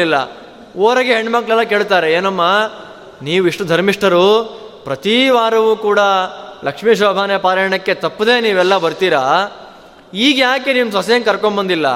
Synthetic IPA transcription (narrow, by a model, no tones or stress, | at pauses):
ilːɐ̰ | oːɾɐɡeɦeɳɖmɐkɭɛlːɐke̞ːɭt̪aːɾeeːnɐmːaː | niːʋuiʂʈɐd̪ʱɐɾmiʂʈʰɐɾu | pɾɐt̪iʋaːɾɐʋuːkuːɽɐlɐkʂmiːʃ̬oːbʱaːnjɐpaːɾɐɐɳɐkːe̞t̪ɐpːud̪e̞ːniːʋɛlːɐbɐɾt̪iːɾaː | iːɡjaːkeniːmusɐsɐjɐnkɐɾkombɐnd̪ilːɐ̰